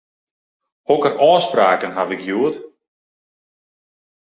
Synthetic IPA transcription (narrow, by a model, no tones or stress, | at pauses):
hɔkərʔɔːspraːkənɦavɪkjuət